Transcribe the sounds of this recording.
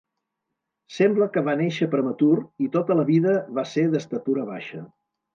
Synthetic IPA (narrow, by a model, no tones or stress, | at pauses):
sɛmbləkəβaneʃəpɾəmət̪uɾit̪ot̪ələβiðəβaseðəst̪ət̪uɾəβa̰ʃə